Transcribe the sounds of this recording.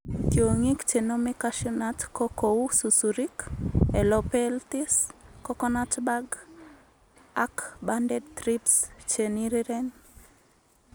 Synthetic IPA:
tjoŋikt͡ʃenomɪkaʃɔnatkokoususuɾikɛlopɛlt̪iskɔkɔnatbaɡ | akbandɛd̚t̪ɾipst͡ʃeniɾiɾɛn

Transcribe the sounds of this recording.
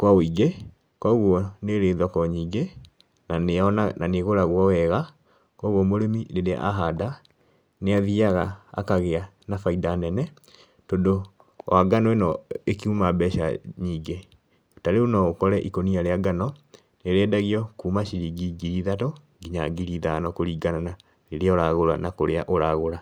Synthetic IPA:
kwaiɡe | kwaɣwɔneɾeðwakɔɲiːɡe | naɔnananeɣoɾaɣwɔwɛɣa | kɔɣwɔmoɾemineɾḛʔa̰ɦada | neaðiaɣa̰ːkaɣea | nafaidanɛnɛ | tondo | waɡanɔenɔekiumabɛʃa̰ɲiːɡe | otaɾeonɔokɔɾɛʔikoniaɾeaɡanɔ | neɾɛdaɣiɔkuːmaʃiɾiɡiɡiɾiðato | ɡiɲa̰ɡiɾiðanɔkoɾiːɡanana | neɾeaoɾaɣoɾa̰nakoɾeaʔoɾaɣoɾa

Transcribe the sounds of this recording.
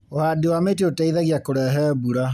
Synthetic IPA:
ohaːdewaːmet̬eotaiðaɣiakoɾɛːɦɛbuɾa

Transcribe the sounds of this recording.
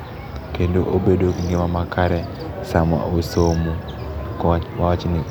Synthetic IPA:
kendoʔobedokiŋɡemamakaɾɛ | samwa̰ʔosomu | awat͡ʃnɪ

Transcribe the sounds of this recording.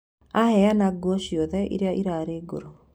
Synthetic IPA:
ahɛjanaɡɔʃiɔðɛʔḭɾeaʔiɾaɾeːɡo̰ɾo

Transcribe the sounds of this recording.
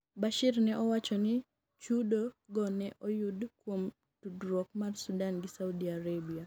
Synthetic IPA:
baʃirnɛʔɔwat͡ʃɔnɪ | t͡ʃudoɡɔnɛʔɔjudkwom | tudɾok̚marsudanɡɪsaudiaɾebia

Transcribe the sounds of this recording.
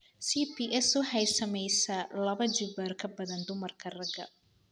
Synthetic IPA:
sipiʔɛsʊħɛjsɐmɛjsɐlɐβɐd͡ʒɪbɐrkʰɐbɐðɐnd̪ʊmɐrkʰɐrɐɡɐ̰

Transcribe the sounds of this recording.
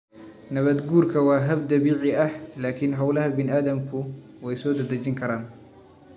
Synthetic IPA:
nɐβɐd̪ɡuːrkʰɐwaːɦɐb̚d̪ɐβiːʕɪɐhlaːkʰɪnɦɐwlɐɦɐbɪnʔaːd̪ɐmkʰʊ | wɛjsɔːd̪ɐd̪ɐt͡ʃɪŋkʰɐɾaːn

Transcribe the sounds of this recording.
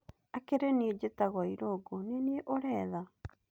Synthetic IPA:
akeɾeneed͡ʑetaɣwaiɾoɡoneneeʔoɾɛːða

